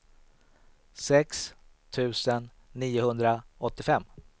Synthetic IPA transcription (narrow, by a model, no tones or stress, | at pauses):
sɛks | t̪ʰʉ̟ːsənː | iːʊhɵnd̪ɾaɔt̪ːɪfɛmː